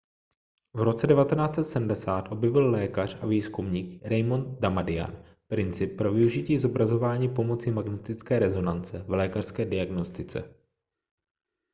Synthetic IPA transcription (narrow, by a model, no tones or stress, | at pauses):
vɾo̞t͡sɛdɛvat̪ɛnaːt͡sɛt̪sɛdm̩dɛsaːt̪ʔo̞bjɛvɪllɛːkar̝̥aviːskumɲiːkɾɛjmont̪̚damadɪa̰n | pɾɪnt͡sɪp̚ːɾo̞vɪuʒɪciːzo̞bɾazo̞vaːɲiːpo̞mo̞t͡sɪmaɡnɛt̪ɪt͡skɛːɾɛzo̞nant͡sɛvlɛːkar̥skɛːdɪaɡno̞st̪ɪt͡sɛ̰